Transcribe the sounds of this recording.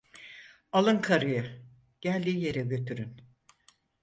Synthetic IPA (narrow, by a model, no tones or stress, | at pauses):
alˠɯnkʰaɾɯjɯ | ɟ̥ælʲd̪iːje̞ɾɛɟø̞t̪ʰyɾyn